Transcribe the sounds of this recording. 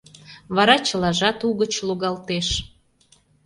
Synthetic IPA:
βɑɾɑt͡ɕəlɑʒɑt̪uɣət͡ɕluɣɑlt̪eʃ

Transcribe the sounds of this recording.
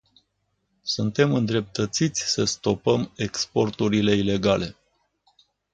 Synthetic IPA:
sunt̪e̞mɨnd̪ɾe̞p̚t̪ət̪sit̪sʲsəst̪o̞pəme̞kspo̞rt̪uɾile̞ile̞ɡale̞

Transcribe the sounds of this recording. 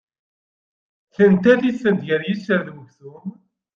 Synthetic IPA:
θənt̪æθisənd̪ʝəɾjisəɾðwəʝθum

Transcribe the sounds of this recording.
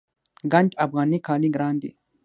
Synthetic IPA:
ɡɐnd͡ʒɐbɣaːnikʰaːliɡɾaːnd̪ḭː

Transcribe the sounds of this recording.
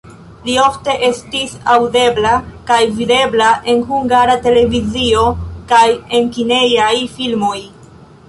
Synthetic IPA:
lio̞fte̞ʔe̞stisawde̞blakajvide̞blaʔe̞nhuŋɡaɾate̞le̞vizio̞kaje̞nkine̞jajfilmo̞j

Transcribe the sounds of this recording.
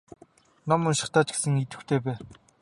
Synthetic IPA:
nɔmʊnʃɪ̥̆χt̪aːt͡ɕɡe̥sɘ̆ŋit̪ɘ̆wt̪ʰeːpæː

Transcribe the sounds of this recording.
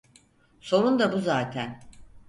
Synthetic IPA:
so̞ɾund̪abuzaːt̪ʰæn

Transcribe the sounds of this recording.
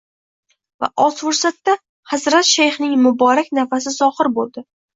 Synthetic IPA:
va̰ʔɒt̪fʊɾsat̪ːa | hazɾat̪ʃajχnɪŋmʊbɒɾakʲnafasɪzɒhɪɾbolˠd̪ɪ

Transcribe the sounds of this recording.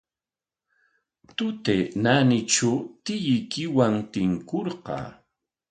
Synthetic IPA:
t̪ʊt̪enanɪʈ͡ʂat̪ɪjɪjkɪwaŋt̪ɪŋkoɾɢɑ̰ː

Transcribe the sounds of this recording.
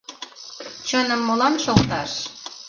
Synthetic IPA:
t͡ɕənəmːolɑnʃolt̪ɑʃ

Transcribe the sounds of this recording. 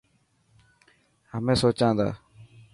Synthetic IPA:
həmẽːsoːt͡ʃãːd̪a̰ː

